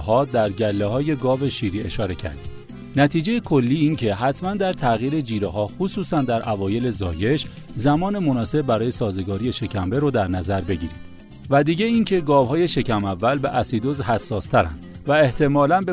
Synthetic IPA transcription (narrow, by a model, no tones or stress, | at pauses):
ɦɒːd̪æɾɟælːehɒːje̞ɡɒːve̞ʃiːɾiːe̞ʃɒːɾe̞cʰæ̰ɾd̪id̪ | næt̪ʰiːd͡ʒejekʰo̞lːiːiːncʰe̞ɦæt̪ʰmænd̪æɾt̪ʰæɣiːɾe̞d͡ʒiːɾeɦɒːxusuːsænd̪æɾʔævɒːje̞le̞zɒ̰ːje̞ʃ | zæmɒːne̞monɒːse̞bbæɾɒːje̞sɒːze̞ɡɒːɾiːje̞ʃe̞cʰæmbe̞ɾɔːd̪æɾnæzæɾbe̞ɟḭːɾid̪̥ | væd̪iːɟe̞iːncʰe̞ɡɒːvhɒːje̞ʃe̞cʰæmævːælbe̞ʔæsid̪ozɦæsːɒːst̪ʰæɾæ̰nd̪væeht̪ʰe̞mɒːlænbe